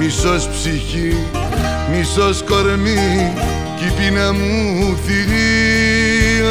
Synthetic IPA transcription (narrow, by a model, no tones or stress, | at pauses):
misɔspsixi | misɔskɔɾmi | kipinamũufiɾi